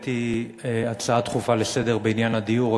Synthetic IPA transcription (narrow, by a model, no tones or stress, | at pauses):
t̪i | eat͡saat̪χufalese̞d̪e̞ʁbeinjanad̪iuʁa